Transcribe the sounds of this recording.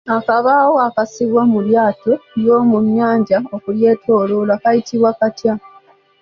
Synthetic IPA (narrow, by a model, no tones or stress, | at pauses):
akaβaːwoakasiβwamuljaːtojo̞ːmumjaːɲɟaokulje̞ːtʰoːlolwakajitiβwakatja